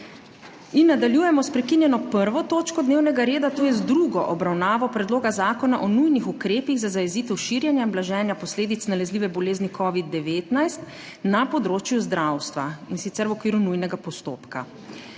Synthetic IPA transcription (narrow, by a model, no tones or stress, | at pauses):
inːad̪aljuːjɛmɔspɾɛkinjɛnɔpəɾʋɔt̪oːt͡ʃkɔd̪neːwnɛɡaɾeːd̪at̪oːjɛzd̪ɾuɡɔʔɔbɾawnaːʋɔpɾɛd̪loːɡazaːkɔnaʔɔnujnixukɾeːpiɣzazajɛziːt̪ɛwʃiːɾjanjaimblaʒɛːnjapɔsleːd̪it̪snalɛzliːʋɛbɔleːznikʰɔːʋid̪̚ːɛʋeːt̪najst̪ | napɔd̪ɾoːt͡ʃjuzd̪ɾawst̪ʋainsit̪sɛɾwɔkʋiːɾunujnɛɡapɔst̪o̰ːpka